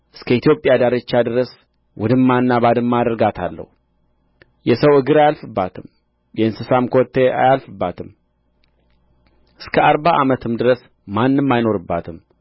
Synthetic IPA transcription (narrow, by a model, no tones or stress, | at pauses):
ʔɨskʰəit̪ʰjo̞pʼjad̪aɾɨt͡ʃːad̪ɨɾəs | wʔɔd̪ɨmːanːabad̪ɨmːad̪əɾɡat̪ʰa̰lːə̰hu | jɛsəwɨɡɨɾajalfɨbːat̪ʰɨm | jɛɨnsɨsamkʰot̪ʰːea̰jalfɨbːat̪ʰɨm | ʔɨskʰəaɾbaʔa̰mət̪ʰɨmd̪ɨɾəs | manːɨmːajno̞ɾɨbːa̰t̪ʰɨm